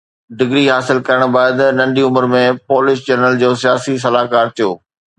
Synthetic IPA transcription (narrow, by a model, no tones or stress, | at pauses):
ɖɪɡɾiɦaːsɪlkɐɾəɽ̃baːɪd̪nɐ̃ɳɖiʊməɾmẽpoːlɪsd͡ʑɛːnəld͡ʑoːsijaːsis̬ɐlaːɦkaːɾt̪ʰijoː